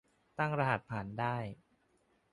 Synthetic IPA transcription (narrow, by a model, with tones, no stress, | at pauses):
t̪a˥˩ŋɾa˧ha˨˩t̪̚pʰaː˩˦ndaː˥˩j